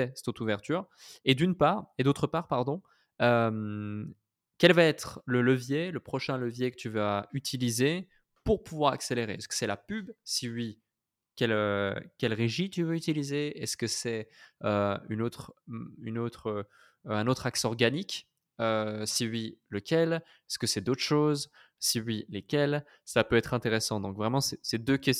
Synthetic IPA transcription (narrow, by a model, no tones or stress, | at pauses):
ɛsɛt̪ot̪uvɛʁt̪yːʁed̪ynpaːʁed̪ot̪χəpaːʁpaʁd̪ɔ̃ | øm | kʲɛlvaɛt̪χlələvjeləpχɔʃɛ̃ləvjekə̥t̪ʰyvayt̪ʰilize | puʁpuvwaʁa̰kseleʁḛɛskə̥sɛlapybsiɥi | kʲɛløkʲɛlʁeʒit̪yvøyt̪ilizeɛskəsɛøy̰not̪χynot̪χø | ɛ̃not̪χaksɔʁɡanik | øsiɥiləkʲɛl | ɛskəsɛd̪ot̪χə̥ʃoz | siɥilekʲɛl | sapøɛt̪χɛ̃t̪eʁesɑ̃d̪ɔ̃kvʁɛmɑ̃sɛsɛd̪økʲɛs